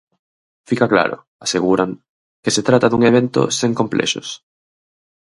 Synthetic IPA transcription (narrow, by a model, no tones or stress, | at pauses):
fikakla̰ɾo̰ | aseɣ̞uɾaŋ | keset̪ɾat̪aðuŋeβ̞ent̪o̰seŋkomplʔɛ̰ʃo̰s